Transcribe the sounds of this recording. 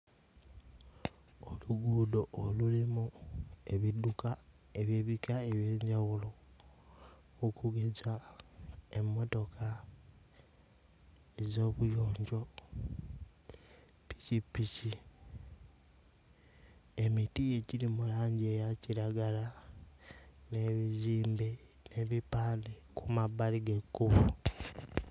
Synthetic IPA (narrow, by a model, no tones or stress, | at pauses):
oluɡuːdoːlulimueβiduka | eβjeβikaeβje̞ːɲɟawulo | kʰuɡeza | e̞mːo̞to̞kʰa | ezo̞βujo̞ːɲɟo̞ | pi̥cipici | emitije̞ciɾimulaːɲɟiejaciɾaɡala | ne̞βiziːmbe | ne̞βipaːnekumaβaliɡekːuβu